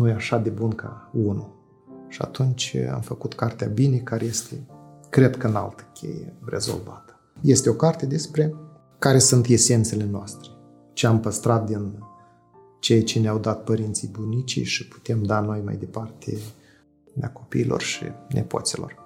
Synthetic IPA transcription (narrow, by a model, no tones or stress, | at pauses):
nujeaʃad̪e̞bunka̰unu | ʃia̰t̪unt͡ʃʲa̰mfəkut̪kart̪eabine̞kaɾeje̞st̪e̞ | kɾe̞d̪kəɨna̰lt̪ə̥kʲʰḛjḛre̞̰zo̞̰lva̰t̪ə̥ | je̞st̪eo̞kart̪e̞d̪e̞spɾe̞ | kaɾe̞sunt̪e̞se̞nt̪se̞le̞noast̪ɾe̞ | t͡ʃeampəst̪ɾat̪̚d̪in | t͡ʃe̞jt͡ʃeneawd̪at̪̚pəɾint̪sijbunit͡ʃḭjʃipu̥t̪e̞md̪ano̞jma̰jd̪e̞part̪ḛ | mako̞pḭːlo̞̰rʃḭnʔe̞̰po̞̰t̪silo̞̰r